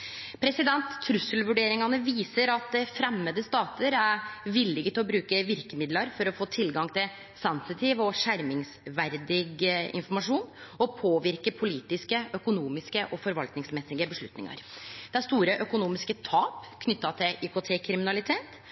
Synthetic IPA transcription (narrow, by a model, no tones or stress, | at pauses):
pʰɾɛsɪd̪ɛnt̪ʰːɾʉsəlʋʉɖeːɾɪŋɑnəʋiːsəɾɑt̪̚d̪ɛfɾɛmːəd̪əst̪ɑːt̪əɾæɾʋɪlːɪɡət̪ɪlɔbɾʉːkəʋɪɾkəmɪd̪lɑɾfɔɾɔfoːt̪ʰɪlɡɑŋt̪ʰɪl | sɛnsɪt̪ʰiːʋɔʂæɾmɪŋsʋæɾd̪ɪɡɪ̰nfɔɾmɑʂuːnɔpʰoːʋɪɾkəpʰʊliːt̪ɪskəʔœkʊnuːmɪskəʔɔfɔɾʋɑlt̪nɪŋsmɛsɪɡəbəʂɭʉ̰t̪nɪ̰ŋɑ̰ɾd̪̥ɛæɾst̪uːɾəʔœkʊnuːmɪskət̪ʰɑːpkʰnʏt̪ːɑt̪ʰɪlʔykʊt̪ʰeːkʰɾɪmɪnɑlɪt̪ʰeːt̪